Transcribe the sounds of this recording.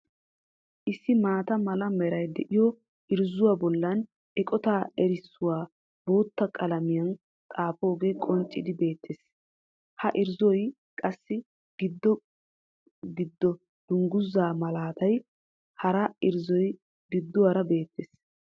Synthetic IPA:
ʔɪsːɪmaːt̪ɐmɐlɐmɛɾɐjd̪ɛʔɪjɔ | ʔɪɾzʊwabɔlːɐn | ʔɛkʼɔt̪aːɛɾɪsːʊwaː | bo̞ːt̪ːɐkʼɐlɐmɪjɐn | t̪ʼaːpo̞ːɡe̞ːkʼɔnt͡ʃʼːɪd̪ɪbe̞ːt̪ʰːeːs | hɐʔɪɾzɔj | kʼɐsːɪ | ɡ̥ɪd̪ːɔ | ɡɪd̪ːɔ | d̪̥ʊŋɡʊzːaːmɐlaːt̪ɐj | hɐɾɐɪɾzɔj | ɡɪd̪ːʊwaɾɐbe̞ːt̪ːeːs

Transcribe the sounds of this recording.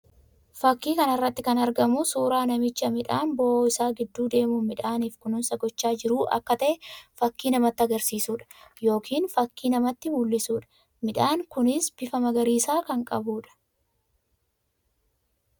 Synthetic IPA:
fɐkːiːkɐnɐrːɐt̪ːɪkɐnɐɾɡɐmʊsuːɾaːnɐmɪt͡ʃːɐmɪᶑaːnboːɪsaːɡɪd̪ːuːd̪e̞ːmuːmɪᶑaːniːfkʊnʊnsɐɡɔt͡ʃːaːd͡ʒɪɾuːʔɐ̰kːɐt̪ɐʔɛfɐkːiːnɐmɐt̪ːɐɡɐɾsiːsuːᶑɐ̥jo̞ːkʰiːnfɐkːiːnɐmɐt̪ːɪmulːɪsuːᶑɐ̥ | mɪᶑaːŋkʊnɪsb̥ɪfɐmɐɡɐɾiːsaːkɐŋkʼɐbuːᶑɐ̥

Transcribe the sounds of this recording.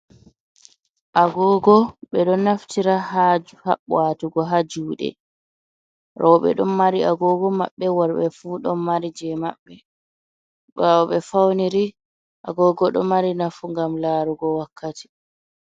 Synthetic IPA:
ʔaɡɔɡɔɓɛɗɔnːaftiɾaɦad͡ʒuha̰ɓwatuɡɔɦad͡ʒuːɗɛ̰ | ɾɔɓɛ̰ɗɔnmaɾiaɡɔɡɔma̰ɓːɛwaɾɓɛfuːɗɔnmaɾid͡ʒɛma̰ɓːɛ | ɓawɔɓɛfawniɾi | ʔa̰ɡɔːɡɔɗɔmaɾinafuŋɡamlaːɾuɡɔwakːati̥

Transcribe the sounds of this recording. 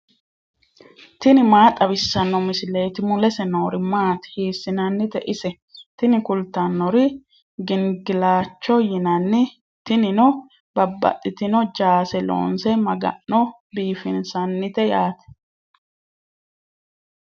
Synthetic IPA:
t̪ɪnɪmaːt̪ʼɐbɪsːɐnːɔmɪsɪleːt̪ɪmʊlɛsɛnoːɾɪmaːt̪ɛ̥hiːsːɪnɐnːɪt̪ɛ̰ʔɪsɛ | t̪ɪnɪkʊlt̪ːɐnːɔɾɪ | ɡɪŋɡɪlaːt͡ʃːɔjɪnɐnːɪ | t̪ɪnɪnɔ | bɐbːɐ̰t̪ʼːɪt̪ɪnɔd͡ʒaːsɛlo̰ːnsɛmɐɡɐ̰ʔːɔ | biːfɪnsɐnːɪt̪ɛjaːt̪ɛ̥

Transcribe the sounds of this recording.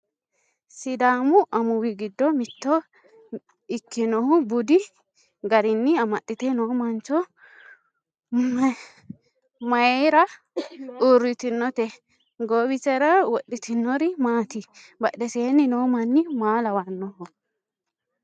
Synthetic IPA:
sɪd̪aːmʊʔɐmʊwɪɡɪd̪ːɔmɪt̪ːɔ | ɪkːɪnɔhʊbʊd̪ɪ | ɡɐɾɪnːɪɐmɐɗːɪt̪ɛnoːmɐnt͡ʃɔ | mɐjeɾɐ | ʔuɾːɪt̪ɪnːɔt̪ɛ | ɡoːbɪt͡ʃɛɾɐwɔɗːɪt̪ɪnːɔɾɪmaːt̪ɪ | bɐɗɛseːnːɪnoːmɐnːɪmaːlɐwɐnːɔhʊ

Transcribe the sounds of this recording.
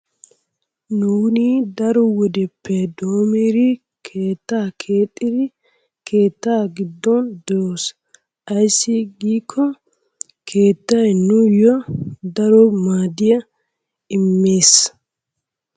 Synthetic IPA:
nuːnid̪ɐɾɔwɔd̪ɛpːɛd̪oːmeːɾɪ | kʰeːt̪ːaːkʰeːt̪ʼːɪd̪ɪ | kʰe̞ːt̪ːaːɡɪd̪ːɔnd̪ɔɾoːs | ʔɐjsːɪɡiːkʰːɔ | kʰe̞ːt̪ːɐjnujɔd̪ɐɾɔmaːd̪ɪjɐ | ɪmːeːs

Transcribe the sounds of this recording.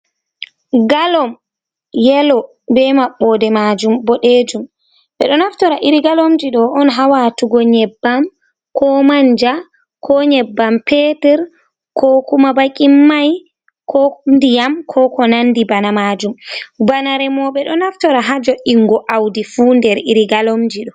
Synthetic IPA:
ɡalɔm | jɛlɔ | bɛmaɓːɔdɛmad͡ʒumbɔɗeːd͡ʒum | ɓɛ̰ɗɔnaftɔɾaʔiɾiɡalomd͡ʒiɗɔɔnɦawatuɡɔɲɛbːam | kɔmaɲd͡ʒa | kʰɔɲɛbːampɛtɛɾ | kʰɔkumabakʼimːaj | kʰɔndijamkʰɔkɔnandibanamad͡ʒumbanaɾɛmɔɓɛɗɔnaftɔɾaɦad͡ʒɔʔiŋɡɔʔawdifundɛɾiɾiɡalomd͡ʒiɗɔ

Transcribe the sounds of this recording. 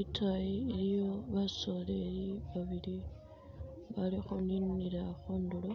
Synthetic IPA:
itʰajielijo̞βaso̞lejiβaβili | βalixoniniɾaxoːndulo

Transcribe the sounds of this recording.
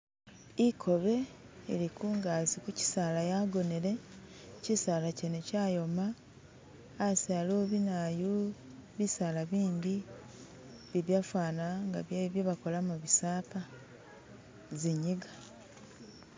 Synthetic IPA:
ikʰo̞βe̞ | ḭɾikuːŋɡaːzikuci̥saːlajaɡo̞neɾe̞ | cisaːlacenecaːjo̞maː | saloβinaju | βisaːlaβiːɲɟi | βiβjafwaːnaŋɡa̰βjaβjoβako̞lamuβisaːpa | ziɲiɡa

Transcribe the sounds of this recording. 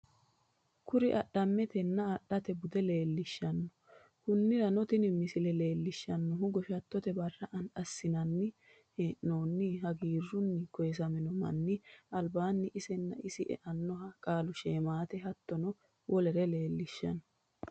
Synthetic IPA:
kʊɾɪʔɐ̰ɗɐmːɛt̪ɛnːɐːɗːɐt̪ɛbʊd̪ɛle̞ːlːɪʃːɐnːɔ | kʊnːɪlɐnɔt̪ɪnɪmɪsɪlɛle̞ːlːɪʃːɐnːɔɦʊɡɔʃɐt̪ːɔt̪ɛbɐrːɐʔɐnᶑɐsːɪnɐnːɪ | hɛʔno̞ːnːɪɦɐɡiːrːʊnːɪkɔjɛs̬ɐmɛnɔmɐ̰nːɪɐlbaːnːɪʔɪsɛnːɐ̰ɪsɪʔɛ̰ʔɐnːɔɦɐkʼaːlʊʃeːmaːt̪ɛɦɐt̪ːɔnɔ | wɔlɛɾɛle̞ːlːɪʃːɐ̰nːɔ

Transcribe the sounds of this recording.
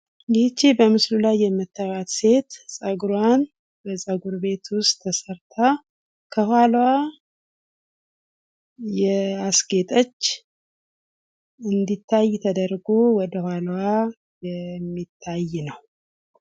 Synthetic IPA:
jit͡ʃːibəmɨslulajːɛmət̪ʰːaβat̪se̞t̪sʼəɡɾwan | bəsʼəɡuɾbe̞t̪wʊst̪ʰːəsəɾt̪ʰa | kʰəhwalwa | jɛasɡe̞t̪ʼət͡ʃː | ɨnd̪it̪ʰːajt̪ʰəd̪əɾɡowɔd̪əhwʷalwa | jɛmːit̪ʰːajːnəw

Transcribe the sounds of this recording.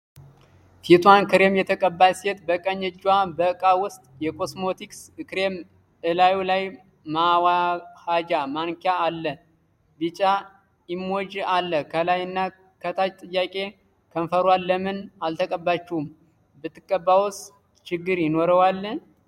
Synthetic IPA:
t̪ʰit̪ʰwankʰɨɾe̞mjɛt̪ʰəkʼəbːajset̪bəkʼəɲːɛd͡ʒwabəɨkʼawʊst̪ʼjɛkʰo̞smo̞t̪ʰikskɨɾe̞m | ɨlajulaj | mawahad͡ʒamaŋkʰjaːlːə | bit͡ʃʼa | ɪmːo̞d͡ʒalːəkʰəlajɨnːa | kʰət̪ʰat͡ʃt̪ʼɨjːakʼe̞ | kʰənfəɾwalːəmɨnalt̪ʰəkʼəbːat͡ʃːɛhum | bɨt̪ʰːɨkʼːəbːawʊs | t͡ʃɪɡːɨɾjɪno̞ɾəwalːə

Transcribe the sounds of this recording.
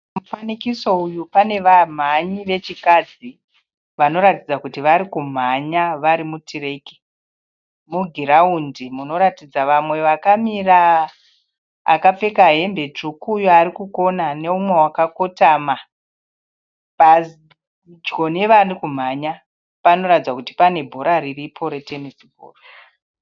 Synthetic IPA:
mufanikiso̞ujupane̞ʋam̤aɲiʋe̞t͡ʃikad͡zi | ʋano̞ɾatid͡zakutiʋaɾikum̤aɲaʋaɾimutire̞ki̥ | muɡʱiɾaundimuno̞ɾatid͡zaʋamwe̞ʋakamira | kap͡fe̞kaɦe̞mbe̞t͡ʂukujoaɾikuko̞nane̞umwe̞ɦwakakotaːma | pa | d͡ʒɡo̞ne̞ʋarikum̤aɲa | pano̞ratid͡zwakuti̥pane̞bʱo̞ɾaɾiripʰoɾete̞nisibʱo̰ːro

